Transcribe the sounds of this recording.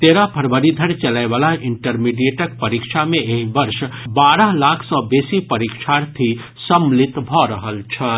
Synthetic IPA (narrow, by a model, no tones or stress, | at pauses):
t̪eɾapʰəɾbəɾid̪ʱəɾt͡ʃəlajbalaiɳʈəɾmiɖieʈək̚pəɾikt͡ʃʰameeɦibəɾsbaɾəɦlakʰsɔ̃besipəɾikt͡ʃʰaɾt̪ʰi | səmlit̪bʱɔɾəɦəlt͡ʃʰə